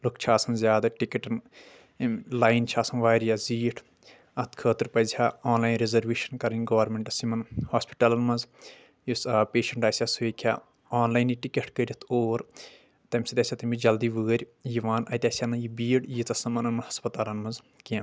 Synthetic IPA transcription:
lukt͡ʃʰaːsɐnzʲjaːd̪aʈikɐʈɐn | laːjnt͡ʃʰaːsɐnʋaːɾʲjaːziːʈʰ | ɐt̪ʰkʰəːt̪iɾpɐzʲhaːaːnlaːjnɾezɐɾʋeːʃɐnkɐɾɐnʲɡɐːɐɾmeɳʈɐsimɐnhaːspi̥ʈɐlɐnmɐnz | jispeːʃɐɳʈaːsʲaseːkʲʰja̰ː | aːnlaːjniʈikʲeʈkəɾʲit̪ʰoːɾ | t̪ɐmʲsit̪ʲɐsʲʰat̪ɐmbid͡ʒɐld̪iːʋəːɾʲ | jiʋaːnɐt̪ʲaːsʲanɐnjibiːɽjit͡s̪ɐsɐmɐnɐnmɐnhɐspɐt̪aːlɐnmɐnz | kiɐ̃

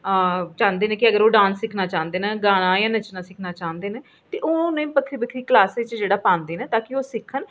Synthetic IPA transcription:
t͡ʃãːnd̪eːnẽːkɪəɡəɾoːɖãːnsːɪkʰnaːt͡ʃãːnd̪eːnẽːɡaːnãːjãːnət͡ʃnãːsɪkʰnaːt͡ʃãːnd̪eːnẽː | t̪eːʔoːʊnẽːpəkʰɾiːpəkʰɾiːklaːset͡ʃd͡ʒeːɽaːpãːnd̪eːneːt̪aːkioːsɪkʰːən

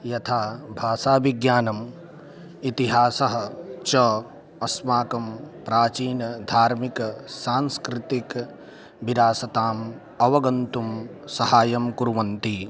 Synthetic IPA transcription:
jɐt̪ʰaːbʱaːsaːʋiɡjaːnɐm | it̪iɦaːsɐɦɐ̆t͡ʃɐ | ɐsmaːkɐmpɾaːt͡ʃiːnɐd̪ʱaːɾmikɐsaːnskɾɪt̪ik | biɾaːsɐt̪aːm | ɐʋɐɡɐnt̪um | sɐhaːjɐmkuɾuʋɐnt̪i

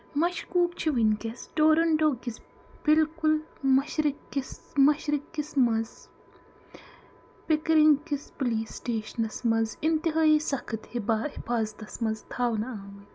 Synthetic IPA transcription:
mɐʃkuːkt͡ʃʰiʋinkesɖoːɾɐɳɖoːkis | b̥ilkulmɐʃɾikːis | mɐʃɾɪkːismɐz | pikɾiŋɡkispoliːsʈeːʃɐnɐsmɐzint̪iɦaːiːsɐkʰɐt̪hibaːhifaːzɐt̪ɐsmɐzt̪ʰaːʋnɐaːmi

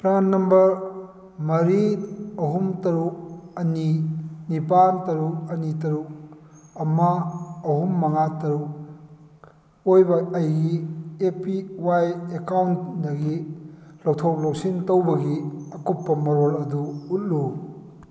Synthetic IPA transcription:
pɾanːɐmbɐɾ | mɐɾiɐɦumtɐɾuk̚ɐninipantɐɾuk̚ɐnitɐɾuk̚ | ɐmɐːhumːɐŋatɐɾuk̚ | ojbɐɐjɡiepiwajekawntdɐɡilowtʰow̚lowksintowbɐɡiɐkupːɐmɐɾolɐduːt̚lu

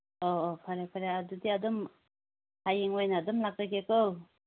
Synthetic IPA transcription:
opʰaɾepʰaɾeadudiadum | hajeŋojnaːdumlak̚dajɡekow

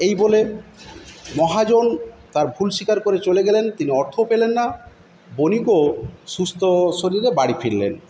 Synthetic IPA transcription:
ejbole | mɔɦad͡ʑont̪aɾbʱulʃikaɾkoɾet͡ɕoleɡɛlent̪iniɔɾt̪ʰopelenːa | bonikoʃust̪ʰoʃoɾiɾebaɽifiɾlḛn

